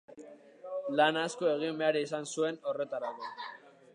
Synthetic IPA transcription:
lanasko̞e̞ɣ̞imbe̞aɾisansue̞no̞re̞t̪aɾako

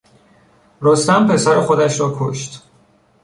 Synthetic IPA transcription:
ɾost̪æmpʰe̞sæɾexo̞d̪æʃɾɒːkʰo̰ʃt̪

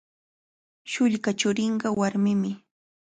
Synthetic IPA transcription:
ʃʊʎkat͡ʃʊɾɪɴɢɑwaɾmɪmɪ

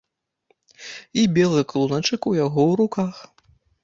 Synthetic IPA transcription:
ibʲɛlˠɨklˠunat͡ʂɨkujaɣɔwɾukax

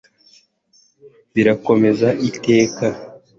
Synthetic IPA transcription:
βiɾako̞me̞zaʔite̞ːka

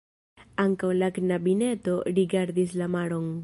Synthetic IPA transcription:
aŋkawlaknabine̞to̞ɾiɡaɾdislamaɾo̞n

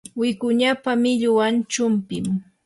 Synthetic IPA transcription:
wɪkʊɲapamɪʎʊwant͡ʃʊmpɪm

